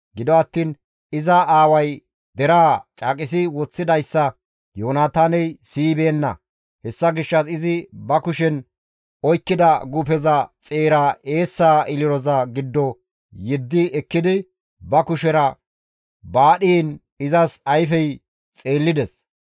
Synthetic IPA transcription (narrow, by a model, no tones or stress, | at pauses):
ɡɪd̪ɔɐt̪ːiːn | ɪzɐaːwɐj | d̪ɛɾaːt͡ʃʼaːkʼɪs̬ɪwɔt͡sːɪd̪ɐjsːɐ | joːnaːt̪aːnɛjsiːbe̞ːnːɐ̰ | hɛsːɐɡɪʃːɐsɪzɪbɐkʊʃɛn | ɔjkːɪd̪ɐɡʊpɛzɐt͡sʼe̞ːɾaʔe̞ːsːaːʔɪlɪɾɔzɐɡɪd̪ːɔ | jɪd̪ːɪɛkːɪd̪ɪ | bɐkʊʃɛɾɐ | baːɗiːn | ɪzɐsɐjfɛj | t͡sʼe̞ːlːɪd̪ɛs